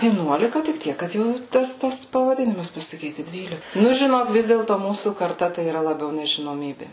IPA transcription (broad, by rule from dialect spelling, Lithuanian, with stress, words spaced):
ʋʲiɛˈnuɔlʲɪkɐ tʲɪk ˈtʲiɛk kɐt ˈjɛʊ ˈtɐs tɐs pɐʋɐˈdʲɪnʲɪmɐs pɐsɐˈkʲiːtʲɪ ˈdʲʋʲiːlʲɪ ˈnʊ ʒʲɪˈnoːk ˈʋʲɪs dʲeːlˠtoː ˈmuːsuː kɐrˈtɐ tɐɪ iːˈrɐ lˠɐˈbʲɛʊ nʲɛʒʲɪnoːˈmʲiːbʲeː